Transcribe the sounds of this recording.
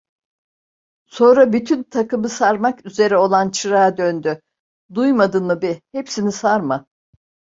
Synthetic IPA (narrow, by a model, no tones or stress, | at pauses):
so̞nɾabyt̪ʰynt̪ʰakɯmɯsaɾmakyze̞ɾɛo̞lˠant͡ʃʰɯɾaːd̪ønd̪y | d̪ujmad̪ɯnɯbihepsinisaɾma